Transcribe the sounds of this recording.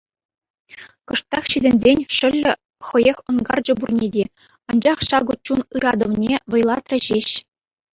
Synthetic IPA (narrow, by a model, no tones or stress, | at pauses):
kɤ̆ʂt̪ːɑχɕizʲɘ̆nʲzʲenʲʂɘ̆lʲːɘ̆ | χɤ̆jexʲɤ̆nɡɑrd͡ʑɤ̆burnʲedʲe | ɑnd͡ʑɑχɕɑɡŭt͡ɕːunɯɾɑd̪ɤ̆ʋnʲeʋɤ̆jlˠɑt̪rʲɘ̆ʑeɕ